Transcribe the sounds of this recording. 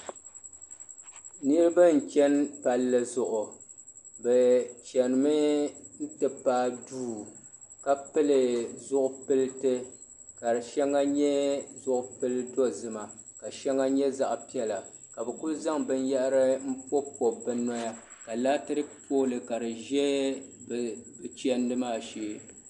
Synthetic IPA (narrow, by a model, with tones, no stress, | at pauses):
nɨ˦ɾɨ˦ba˦n̩˨t͡ʃɛ˦npa˨lːɨ˦zʊ˨ʔʊ˨ | bɛ˨t͡ʃɛ˨nɨ˨mɨ˦n̩˦tɨ˨paː˦duː˦ | ka˦pɨ˦lɨ˨zʊ˦ʔʊ˦pɨ˦ltɨ˦ | ka˨ɾɨ˨ʃɛ˦ŋːa˦ɲɛ˦zʊ˦ʔʊ˨pɨ˦ldo˦zɨ˨ma˨ | ka˨ʃɛ˦ŋːa˦ɲɛ˦za˨ʔpi˦ɛ˦la˨ | ka˨bɛ˨ku˦lza˦ŋbɨ˦n˦ja˦ʔɾɨ˦m̩˦po˦po˨bɨ˦nɔ˦ja˦ | ka˨laː˦tɨ˦ɾɨ˦poː˦lɨ˨ka˨dɨ˨ʒɛ˦bbt͡ʃɛ˦ndɨ˦maː˦˨ʃeː˦